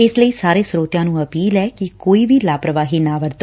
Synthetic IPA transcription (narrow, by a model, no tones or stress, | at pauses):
ɪsləiːsaːɾeːsɾoːt̪jãːnũːəpiːlɛːkɪkoːiːʋʱiːlaːpɾəʋaːɦiːnãːʋəɾt̪ː